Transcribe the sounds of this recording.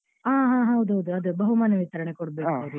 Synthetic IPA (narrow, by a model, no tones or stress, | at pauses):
aːɦaːɦɐwd̪uɦɐwd̪uɐd̪ubɐɦumaːnɐʋit̪ɐɾɐɳekoɽbeːkɐɾu